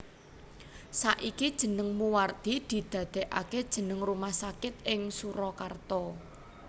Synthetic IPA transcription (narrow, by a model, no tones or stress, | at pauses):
saʔikid̥ʒ̥ə̤nəŋmuwart̪id̪̥i̤d̪̥ä̤d̪̥ɛ̤ʔaked̥ʒ̥ə̤nəŋrumahsakɪt̪̚ʔɪŋsuɾɔkart̪ɔ